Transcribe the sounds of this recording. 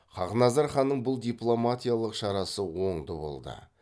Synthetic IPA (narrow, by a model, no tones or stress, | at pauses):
χʰɑʁnɑzɑɾχɑnːəɴbʊlˠd̪ijplˠo̞mat̪ʲijalˠəqʃɑɾɑsəwo̞ɴd̪əbo̞̰lˠd̪ə̰